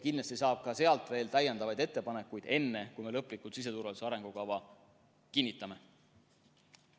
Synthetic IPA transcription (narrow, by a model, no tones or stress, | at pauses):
kinlɑst̪isɑːb̥̚kɑse̞ɑlt̪ˑve̞ːlt̪æjɑnd̪̥ɑvɑjd̪et̪ˑːe̞pɑne̞kːujd̪̥e̞nːekujme̞lɤpːˑlikːˑult̪sis̬e̞t̪uɾvɑliseɑɾe̞ŋɡ̥ukɑvɑ | kinːit̪ːˑɑme̞